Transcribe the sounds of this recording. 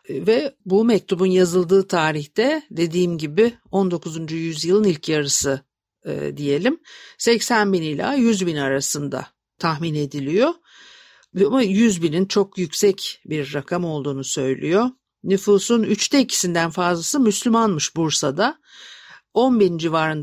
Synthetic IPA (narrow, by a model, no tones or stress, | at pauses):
vɛbumɛc̚t̪ʰubunjazɯlˠd̪ɯːt̪ʰaːɾiçt̪ɛd̪e̞d̪iːmɟibɪo̞nd̪o̞kʰuzund͡ʒujyzjɯlˠɯnilʲcʰjaɾɯsɯ̰ | d̪ije̞lʲimsɛcsænbinilʲa̰ːjyzbinaɾasɯnd̪a̰ | t̪ʰaxmine̞d̪ilʲijo̞ | amajyzbinint͡ʃʰo̞kjycʲsɛcbiɾːakʰamo̞lˠd̪uːnusø̞jlʲḭjo̞ | nyfuːsunyt͡ʃt̪ʰɛicʰi̥sind̪ænfazlˠasɯmyslʲymanmɯʃbuɾsad̪a | o̞nbiɾnd͡ʒivaːɾɯn